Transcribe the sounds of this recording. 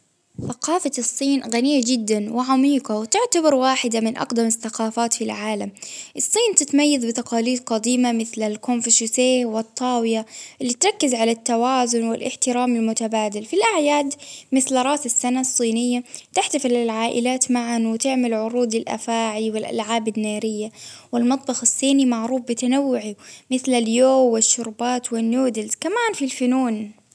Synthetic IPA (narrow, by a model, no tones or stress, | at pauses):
θaqɑːfasˤːiːnɣaniːad͡ʒɪd̪ːanwɪʕamiːqɑwt̪ɪʕt̪abɑɾˤwaːħɪd̪amɪnʔɑ̰qd̪amɪθːaqɑːfaːt̪filʕaːlamʔɨsˤːiːnt̪ɪt̪majːaðbɪt̪ɑqɑːliːd̪qɑd̪iːmamɪθlalkomfɪʃʊseːhwɨt̪ˤːɑːwɪjaʔɪlːit̪ɾˤɑkːɪzʕalat̪ːawaːzʊnwɪlʔɪ̰ħt̪ɪɾaːmɪlmʊt̪abaːd̪alfilʔaʕjaːd̪mɪθlɾˤɑːsɪsːanasˤːiːnɪjːat̪ɪħt̪afɪlɪlʕaːʔɪ̰laːt̪maʕanwɪt̪ɪʕmalʕʊɾuːd̪ɪlʔa̰faːʕiwɪlʔa̰lʕaːbɪnːaːɾɪjːawɪlmɑt̪ˤbɑxɪsˤːiːnimaʕɾuːfbɪt̪anawːʊʕimɪθlaljoːɪʃːʊɾbaːt̪wɪnjuːd̪ɪlz̥kamaːnfilfʊnuːn